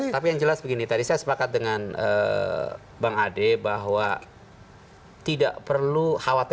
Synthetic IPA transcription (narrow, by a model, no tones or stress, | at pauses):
apijaŋd͡ʒəlasbəɡinit̪adisajasə̥pakat̪̚dəŋanə̰ | baŋadebaɦwa | t̪ida̰ʔpərluhawat̪